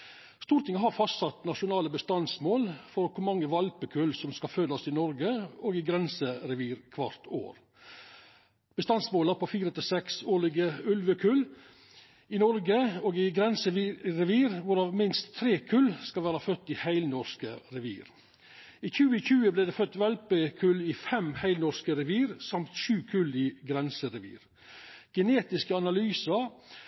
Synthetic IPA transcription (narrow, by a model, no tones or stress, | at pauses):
st̪uːɾt̪ʰɪŋəɦɑɾfɑst̪sɑt̪nɑʃʊnɑːləbəst̪ɑnsmoːlfɔɾkʰʊmɑŋːəʋɑlpəkʰʉlsɔmskɑfød̪ɑsɪnɔɾɡəoːɡɪɡɾɛnsəɾɛʋiːɾkʰʋɑɾt̪ʰo̰ːɾ | b̥əst̪ɑnsmoːləɾpʰɔfiːɾət̪ʰɪsɛksoːɭɪɡəʉlʋəkʰʉl | ɪnɔɾɡəoːɡɪɡɾɛnsəʋɾɛʋiːɾʋʊɾɑːʋmɪnst̪ʰːɾeːkʰʉlskɑlʋæːɾɑfœt̪ːihæɪlnɔɾskəɾɛʋḭːɾ | iːçʉːəçʉːəbleːd̪eːfœt̪ːʋɛlpəkʰʉlːɪfɛmhæɪlnɔɾskəɾɛʋiːɾsɑmt̪ʃʉːkʰʉlɪɡɾɛnsəɾɛʋḭːɾ | ɡ̥əneːt̪ɪskəɑnɑlyːsə